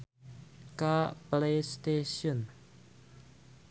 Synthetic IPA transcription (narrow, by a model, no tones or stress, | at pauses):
kaplejst̪esiɔn